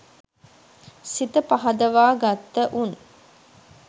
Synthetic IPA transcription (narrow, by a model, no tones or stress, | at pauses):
sit̪əpaɦɐd̪əʋaːɡat̪ːəʔun